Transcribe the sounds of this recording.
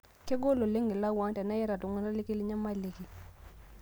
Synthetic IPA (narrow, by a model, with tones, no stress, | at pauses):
ke˦ɡo˦lo˨le˦ŋɡe˨la˦˨wa˨˦tɛ˨na˦jɛ˦ɾa˨tu˨ŋu˨˦na˦li˦ki˦li˦ɲa˦ma˦˨le˨ki˨